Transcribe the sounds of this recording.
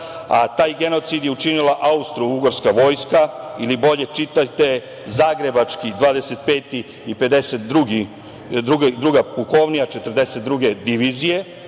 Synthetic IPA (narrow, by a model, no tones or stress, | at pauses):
at̪aːjɡe̞no̞t̪sid̪jeut͡ʃinilaʔaust̪ɾuuɡoɾskaʋo̞jskailibo̞ʎe̞t͡ʃit̪at̪e̞ | zaːɡɾe̞bat͡ʃkid̪ʋaːd̪ese̞t̪̚peːt̪iː | pe̞d̪e̞set̪d̪ɾuɡi | d̪ɾuɡed̪ɾuɡapuko̞ʋnijat͡ʃet̪ər̩d̪e̞set̪d̪ɾuɡe̞d̪iʋizije̞